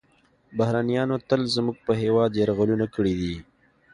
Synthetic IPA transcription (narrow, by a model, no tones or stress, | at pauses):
bahɾanijɑːnot̪əlzəmuɡ̚pəɦewɑːd̪jaɾɣalunakəɽid̪i